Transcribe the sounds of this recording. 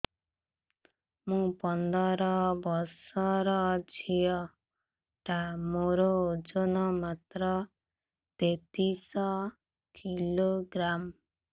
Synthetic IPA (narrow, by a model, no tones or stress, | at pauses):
mũpɔnd̪ɔɾɔbɔsɔɾɔd͡ʒʰʱijɔ | ʈamoɾod͡ʒonɔmat̪ɾɔ | t̪et̪isɔ | kʰiloɡɾam